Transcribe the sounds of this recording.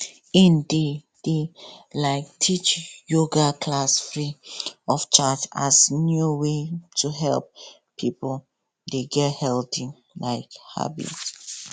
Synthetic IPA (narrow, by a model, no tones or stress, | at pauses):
ĩnde | d̥elaɪk̚tʰit͡ʃjoɡakʰlasfɹiɔft͡ʃat͡ʃa̰snjuwetʰuɦɛlp̚ | pʰipl | deɡɛthɛlti | laɪkha̰bḭt